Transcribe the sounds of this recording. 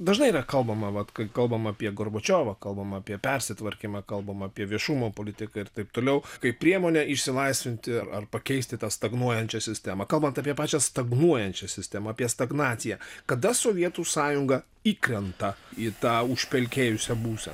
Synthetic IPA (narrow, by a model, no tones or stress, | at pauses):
d̪ɐʒnɐɪiɾɐkɐlˠbɐmɐʋɐt̪kɐɪkɐlˠbɐmɐpʲiɛɡorboːt͡ʃʲoːʋɐkɐlˠbɐmɐɐpʲiɛpʲɛɾʲsʲɪt̪ʋɐɾʲkʲimɑkɐlˠbɐmɐpʲiɛʋʲiɛʃumoːpoːlʲɪt̪ʲɪkɐɪɾt̪ɐɪp̚t̪oːlʲɛʊkɐɪpʲɾʲiɛmoːnʲɛɪʃʲsʲɪlˠɐɪsʲʋʲɪnʲt̪ʲɪɐɾɐrpɐkʲɛɪsʲt̪ʲɪt̪ɑːst̪ɐɡnuɔjɛnʲt͡ʃʲɛsʲɪsʲt̪ʲæmɐkɐlˠbɐnt̪ɐːpʲiɛpɑːt͡ʃʲɛst̪ɐɡnuɔjɛnʲt͡ʃʲɛsʲɪsʲt̪ʲæmɐːpʲiɛst̪ɐɡnɑːt̪sʲɪjɛkɐd̪ɐsoːʋʲiɛt̪uːsɑːjʊŋɡɐ | iːkɾʲɛnt̪ɐit̪ɑːʊʃʲpʲɛlʲkʲeːjʊsʲɛbuːsʲɛ̰